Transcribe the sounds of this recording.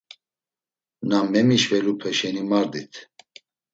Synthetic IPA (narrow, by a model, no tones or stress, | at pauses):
namɛmiʃvɛlupʰəʃɛnimaɾd̪it̪ʰ